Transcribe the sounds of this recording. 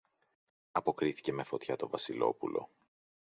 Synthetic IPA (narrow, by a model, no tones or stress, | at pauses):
ɐpo̞kɾiθi̥ce̞me̞fo̞t̪çɐt̪o̞vɐsilo̞̰pulʔo̞̰